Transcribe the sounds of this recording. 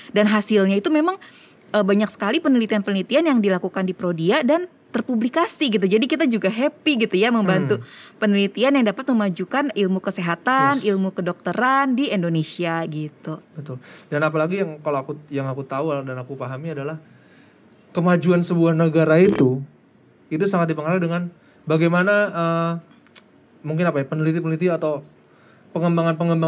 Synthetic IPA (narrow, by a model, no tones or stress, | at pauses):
danɦasilɲait̪umemaŋ | ʔəbaɲaksə̥kalipənəlit̪ianpənəlit̪ianjaŋdilakukandipɾodiadan | t̪ərpublikasiɡit̪̬ud͡ʒadikit̪ad͡ʒuɡaɦepiɡit̪ujaməmbant̪upənəlit̪ianjaŋdapat̪̚məmad͡ʒukanilmukəseɦat̪anilmukədok̚t̪əɾandiindonesiaɡit̪ubət̪ʊldanapalaɡijaŋkaloakujaŋakut̪auadanakupaɦamiadalah | kəmad͡ʒuansəbuahnəɡaɾait̪u | it̪̬usaŋat̪̚dipəŋɦaɾak̚dəŋan | baɡajmanaə | muŋk̬ɪnapajapənəlit̪ipənəlit̪ianat̪aw | pəŋəmbaŋanpəŋəmba